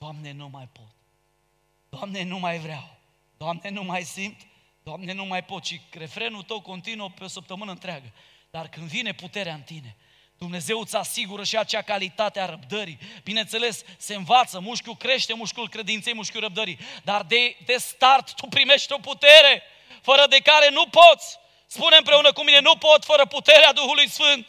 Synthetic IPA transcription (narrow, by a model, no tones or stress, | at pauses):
d̪̥oamne̞numajpo̞t̪̚ | d̪̥oamnenumajvɾaw | d̪̥oamne̞numajsimt̪ | d̪oamne̞numajpo̞t̪ʃiɡɾe̞fɾe̞nult̪əwko̞nt̪inuəpeosəp̚t̪əmɨnəɨnt̪ɾeaɡəd̪̥arkɨnd̪vine̞put̪e̞ɾeaɨnt̪ine̞ | d̪̥umne̞ze̞wɨt̪sasiɡuɾəʃiat͡ʃeakalit̪at̪eaɾəp̚d̪əɾibinent̪se̞le̞sse̞ɨnvat̪səmuʃkʲukɾe̞ʃt̪e̞muʃkʲulkɾe̞d̪int̪sejmuʃkʲuɾəb̚d̪əɾid̪ard̪ed̪e̞st̪art̪ːupɾime̞ʃt̪eo̞put̪e̞ɾe̞ | fəɾəd̪e̞kaɾe̞nupo̞t̪sʲ | spuneɨmpɾe̞unəkumine̞nupo̞t̪ʲfəɾəput̪e̞ɾead̪uxulujsfɨnt̪̚